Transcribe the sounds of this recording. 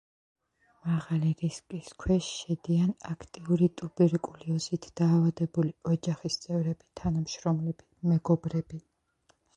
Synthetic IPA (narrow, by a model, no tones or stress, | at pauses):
maʁaliɾiskʼiskʰwɛʃʃɛd̪ianakʰt̪ʼiuɾit̪ʼubiɾkʼuliɔzit̪ʰd̪̥aːvad̪ɛbuliɔd͡ʒaχist̪sʼɛvɾɛbit̪ʰanamʃɾɔmlɛbimɛɡɔbɾɛbi